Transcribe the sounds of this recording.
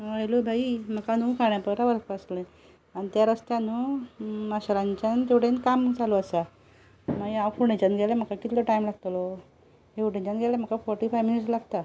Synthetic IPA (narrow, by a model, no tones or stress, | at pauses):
ʋəɭlobʱaim̤əkanukaɳ̃japəɾaʋəlkpaslẽ | anit̪jaɾəst̪janumaɕalãɲt͡ɕant̪ewʈenkamd͡zaluasa | majawfuɳẽt͡ɕanɡʱelem̤əkakit̪loʈajmlaɡ̚t̪lɔ | ɦeuʈẽt͡ɕanɡʱelem̤əkafɔɾʈifajʋminiʈslaɡt̪a